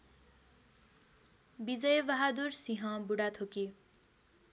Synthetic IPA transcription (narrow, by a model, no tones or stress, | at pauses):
bid͡zʌjbʌɦad̪ursiɦʌ̃buɽat̪ʰoki